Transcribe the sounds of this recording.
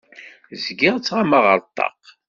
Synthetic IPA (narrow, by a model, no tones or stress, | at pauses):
zɡɪʁt͡sːʁamaʁəɾˤt̪ˤːɑ̰q